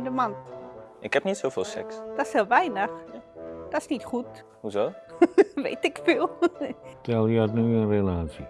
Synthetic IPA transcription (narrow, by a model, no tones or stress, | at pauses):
ndəmantʔɪkhɛpnitsɪlˠvɪːlˠsɛ̰ksd̥ɔsheːlˠʋɛjnəxd̥ɔsnitχut | huzoːʋḛːtɪkfiːlˠtɛlˠjətnyənrelaːtsi